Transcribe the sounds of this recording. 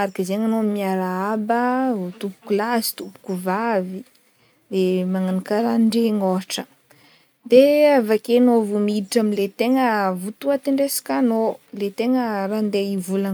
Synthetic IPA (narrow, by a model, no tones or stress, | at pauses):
aɾakizeŋanoamimiaɾaabət̪upu̥kulazi̥t̪upu̥kuvavi | lemaŋanikaɾaɳɖ͡ʐeŋoʈ͡ʂə | d̪eavakenovumidiʈ͡ʂamilet̪eŋəvut̪uat̪iɳɖ͡ʐesḁkʲanolet̪eŋərand̪eivula